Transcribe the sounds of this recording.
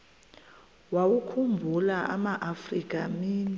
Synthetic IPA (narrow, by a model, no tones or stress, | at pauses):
wawukʰumbʱulaʔamaʔafrik̬ʼamiːni